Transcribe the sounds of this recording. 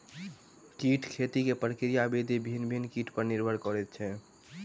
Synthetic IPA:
kiʈʰkʰet̪ikepɾəkɾijabid̪ibʱinbʱinkiʈʰpəɾniɾbʱəɾkɔɾɛt̪̚t͡ʃʰɛ

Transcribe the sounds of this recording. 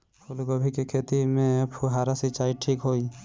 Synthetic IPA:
pʰulɡobʱikekʰet̪imẽpʰuɦaːɾasit͡ʃaːiʈʰiːkɦoi

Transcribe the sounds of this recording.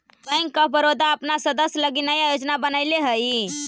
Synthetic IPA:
bəjŋɡkəbəɾod̪ʱaəpnasəd̪əsjələɡinəjajod͡ʒnabənəɪleɦəi

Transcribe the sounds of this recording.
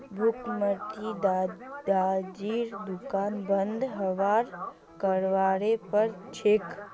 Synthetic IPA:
bʱukməɾt̪id̪d̪ad͡ʒiɾd̪ukaːnbənd̪ʱɦəʋaːɾ | kəɾʋaɾepəɾt͡ʃʰek

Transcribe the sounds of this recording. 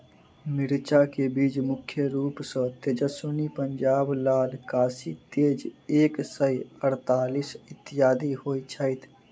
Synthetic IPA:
mɪɾt͡ʃakebiːd͡ʒmʊkʰjəɾuːpsə̃t̪ed͡ʒəsunipəɲd͡ʒaːblaːlkaːsit̪eːd͡ʒeːksəjəɾt̪aːlisɪt̪ːɪjaːd̪iɦoːit͡ʃʰəɪt̪ʰ

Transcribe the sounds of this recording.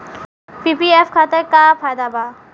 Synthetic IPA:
pipiefkʰat̪ekapʰajd̪abʱaː

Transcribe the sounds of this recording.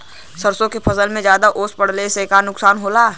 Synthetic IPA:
səɾsõkepʰɐsəlmẽd͡ʒjaːd̪aʔoːspəɽ̤lesekanʊksaːnɦoːlaː

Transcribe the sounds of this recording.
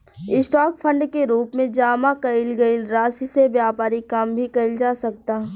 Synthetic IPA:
ɪsʈaːkfʰə̃ɳɖkeɾuːpmẽd͡ʒaːmakɐɪlɡɐilɾaːsisebjaːpaːɾikambʱikɐɪld͡ʒaːsɐk̚t̪aː

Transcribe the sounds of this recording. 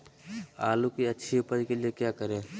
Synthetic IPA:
a̰ːlukiɐtːʃʰiupəɾkeliekjaːkəɾẽː

